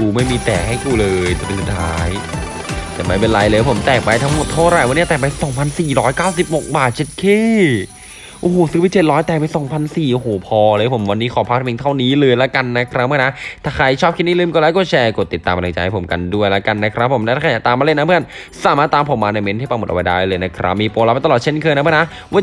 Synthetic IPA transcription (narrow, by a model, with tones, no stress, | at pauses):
kuː˧ma˥˩jmiː˧t̪ɛː˨˩ha˥˩jkuː˧lɤː˧jt͡ɕa˨˩pe˧˩su˨˩t̪ʰaː˦j | t̪ɛː˨˩ma˥˩jpe˧nla˧jlɤː˧˩pʰo˩˦mt̪ɛː˨˩k̚pa˧jt̪ʰa˦˥ŋmo˨˩t̪ʰːa˥˩ɾa˨˩jwa˧nːi˥ɐt̪ɛː˨˩pa˧jsɔ˨˩˦ŋpʰa˧nsiː˨˩ɾɔː˦˥jkaː˥˩ws̬i˨˩p̚ho˨˩k̚baː˨˩t̪̚t͡ɕe˨˩t̪̚kʰeː˥˩ | ʔoː˧˩oː˨˩˦sɯː˧˦˥pi˧˩t͡ɕe˨˩t̪̚ɾɔː˦˥jt̪ɛː˨˩pa˧jsɔː˩˦ŋpʰa˧nsiː˨˩ʔo˧˩ɦoː˨˩˦pʰɔː˧lɤː˧˩jpʰo˩˦mwa˧nːiː˦˥kʰɔː˨˦pʰa˦˥k̪̚t̪ʰa˧mi˧ŋt̪ʰa˥˩wniː˦˥lɤː˧jla˦˥ka˧nːa˦˥kʰɾa˦˥p̚aː˥˩na˦˥t̪ʰaː˧˩kʰa˧˩jt͡ɕʰɔː˥p̚kʰi˦˥niː˥˩lɯː˥˩˨kɔː˧˥˩laː˦˥˩kɔː˧˩t͡ɕʰɛː˧ko˨˩t̪ːi˨˩t̪ːaː˧m˨˧la˧t͡ɕa˧ha˥˩po˩˦ka˧ndu˥˩əjla˦˥ka˧nːa˦˥kʰɾa˦˥pʰːo˩˦mna˦˥t̪aː˧a˧˩a˧˩t̪aː˧mːa˧le˥˩na˦˥pʰɯ˥˩ən | saː˨˦maː˥˩t̪ːaː˧mpʰo˨˩˦mːaː˧na˧jme˦˥nt̪ʰi˥˩pa˧mo˨˩t̪̚ʔwa˧jdaː˥˩jlɤː˧jna˦˥kʰɾa̰˦˥p̚miː˧poː˧la˧˥pjt̪a˧lɔ˨˩t̚t͡ɕʰe˥˩nkʰɤː˧na˦˥ɯ˥˩na˦˥ | waː˧˥˩